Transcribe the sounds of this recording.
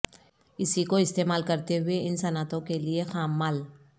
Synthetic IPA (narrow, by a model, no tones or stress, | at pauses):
ɪsikoɪst̪eːmaːlkɐɾt̪eɦʊeɪnsɐnaːt̪õkeliexaːmːaːl